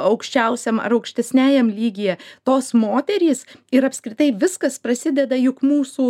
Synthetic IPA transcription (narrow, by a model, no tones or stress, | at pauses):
ɐʊkʃʲt͡ʃʲɛʊsʲɛmɐ̰ɾɐʊkʃʲt̪ʲɛsʲnʲæːjɛmlʲiːɡʲɪjɛt̪oːsmoːt̪ʲɛɾʲiːsɪɾɐpskɾʲɪt̪ɐɪʋʲɪskɐspɾɐsʲɪd̪ʲɛd̪ɐjʊkmuːsuː